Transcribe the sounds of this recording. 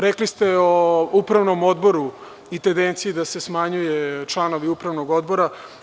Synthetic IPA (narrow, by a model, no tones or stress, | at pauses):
ɾeklist̪e̞oupɾavno̞mo̞d̪bo̞ɾu | it̪end̪ent̪siid̪ase̞smaɲujet͡ʃlˠano̞ʋiupɾaʋnoɡo̞d̪bo̞ɾa